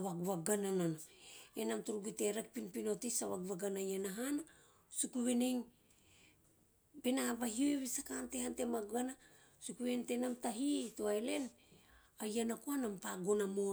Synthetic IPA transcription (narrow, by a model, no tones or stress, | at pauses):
waɡuβaɡanananaenamtuɾuɡute̞ɾak̚pinpino̞tisawaɡuβaɡanajanaɦana | sukuβeneŋ | be̞naβahioeβisakante̞hantemaɡɡana | sukuβe̞nte̞namtaɦitoaele̞n | ajanakoanampaɡo̞namo